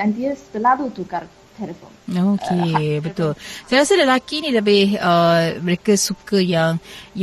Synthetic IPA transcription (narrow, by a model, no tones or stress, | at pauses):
dant̪iəsə̥t̪əladut̪ukar | t̪ʰɛləfonokʰebət̪ʊlsajɾasaləlakinĩlabɪhəməɾekasukəjaŋj